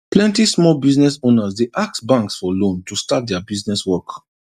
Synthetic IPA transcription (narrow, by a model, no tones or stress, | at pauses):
plɛ̃ntismɔlbiznɛsonasdeʔak̚tbãŋksfɔlõntustat̚dɛabiznɛswɔk